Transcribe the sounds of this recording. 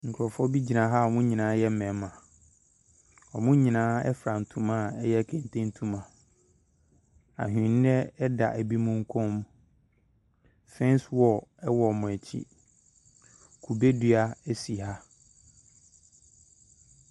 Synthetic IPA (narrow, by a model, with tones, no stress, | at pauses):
ŋ̩˨kʰɾɔ˨fɔ˦bi˦d͡ʑi˨nã˨ɦa˦ɔ˨mʊ̃˦ɲĩ˨nãː˨˦jɛ˦mɛ̃˨˦mã˨ | ɔ˨mʊ̃˦ɲĩ˨nãː˨˦ɛ̰˦fɾa˨n̩˨tʰũ˨mã˦˨ɛ˦jɛ˦˨kʰẽ˨n˨tʰẽ˦n̩˦tʰũ˦mã˨ | a̰˨ɦᶣĩ˨n˦nɛ˦ɛ˦da̰˨ʔæ˨bi˦mũ˦ŋ̩˦kʰɔ̃˦mũ˦ | fɛ̃˦n˦swɔ˨ɛ˦wɔ˨mʊ̃˨ɛ˨t͡ɕʰḭ˦ | kʰu˨be˦dɥa˦æ˦si˨ɦa˦